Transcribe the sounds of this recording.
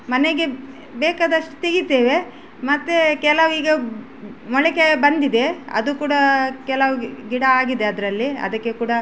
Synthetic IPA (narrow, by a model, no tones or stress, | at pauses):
mɐneɡe̞ | bɛːkaːd̪ɐʂʈu̥t̪eɡit̪eːʋe̞ | mɐt̪ːekɛlɐʋiːɡɐ | mɔɭɛkebɐnd̪id̪e̞ɐ̰d̪ukuːɽɐkɛlaʋuɡiɽɐaːɡid̪e̞ɐd̪ɐɾɐlːiɐ̰d̪ɐkːekuːɽɐ